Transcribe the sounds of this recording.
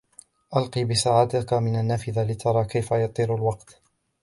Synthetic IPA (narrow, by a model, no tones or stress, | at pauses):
ʔɑlqiːbɪsaːʕaːt̪ɪkamɪnanːaːfɪðalɪt̪ʰɑɾˤɑːkajfajɑt̪ˤiːɾalwɑqt̪